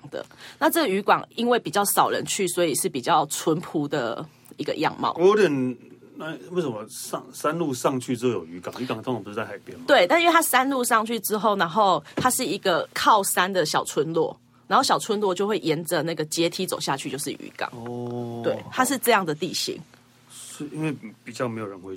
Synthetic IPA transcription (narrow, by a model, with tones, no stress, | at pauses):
d̪ə̰˨˩na˥˧ʈ͡ʂə˥˩ɡə˨y˧˥kwɑ̰˨˩ŋi˦nwe˥˩ɪpi˨˩t͡ɕjɑ˥˩ʊsɑ˨˩ʊɻə̰˧˦nt͡ɕʰy˥˩swɔ˧˥i˨˩ʂɻ̩˥˩pi˨˩t͡ɕjɑ˥˩ʊt͡sʰwə˧˥npʰu˧˥d̪ə̰˨ | i˧˥ɡə̰˧jɑ̰˥˨ŋmɑ̰˨ɔ˧˦ɾə˨˩n | na˥we˥˩ɪsə˨˩mɐ˦sɑ˥˧ŋsa˦nlu˥˧sɑ˥˧ŋt͡ɕʰy˥˩t͡sɻ̩˦˥o˥˩jo˨˩ʊy˧˥ka̰˨˩ŋy˧˥ka˨ŋt͡s̪õ˥ŋʰ˨˩pu˧˩ʂ̩˥˧t͡sa˥˩ɪa˧˥˦ɪpjɛ˥˨nm˨we˥˩ɪt̪a˥˧nɨ˥˩t̪ʰa˥sa˦nlu˥˧ʂɑ˥˧ŋt͡ɕʰy˥˩ʈ͡ʂɻ̩˥xo˥˩ʊna˧˥nxo˥˧ʊt̪ʰa˥ʂɻ̩˥˩i˧˥ɡə˨kʰɑ˥˩ʊsa˥nd̪ə˨ɕjɑ˨˩ʊt͡sʰwə˦˥nlwɔ̰˥˩ | na˨˦nxo˥˩ɕɑ˨˩ʊt͡sʰwə˧˦nlwɔ˥˧t͡ɕjo˥˧ʊxwe˥˩ɪʔjɛ˧˦˥nd͡zə˨na˥˩ɡə˩t͡ɕjɛ˦˥t̪ʰi˥t͡so˨˩ʊɕja˥˧t͡ɕʰy˥˧t͡ɕjo˥˧ʊʂɻ̩˥˩ʔy̰˧˥kɑ̰˨˦ŋt̪we˥˩ɪt̪ʰa˥ʂɻ̩˥˧ʈ͡ʂɤ˥˧jɑ˥˩ŋd̪ə˩t̪ḭ˥˨˩ɕḭ˧˥ŋ | sɔ˧˥˨i˦˥nwe˥˩ɪpi˨˩t͡ɕjɑ˥˩me˧˥ɪjo˨˩ɻə˧˦nxwe˥˦